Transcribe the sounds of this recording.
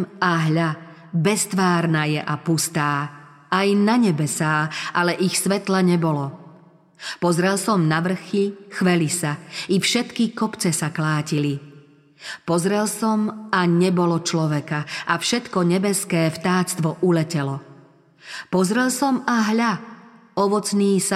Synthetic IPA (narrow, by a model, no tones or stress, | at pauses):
maɦʎa | bɛst̪ʋaːɾnaːjɛʔapust̪aː | ajnaɲɛbɛsaːʔalɛʔixsʋɛt̪laɲɛbɔlɔ | pɔzɾɛlsɔmnaʋr̩xixʋɛlisaifʃɛt̪kikɔpt͡sɛsaklaːcili | pɔzɾɛlsɔmaɲɛbɔlɔt͡ʃlɔʋɛkaʔafʃɛt̪kɔɲɛbɛskɛːft̪aːt͡st̪ʋɔʔulɛcɛlɔ | pɔzɾɛlsɔmaɦʎaɔʋɔt͡sniːsa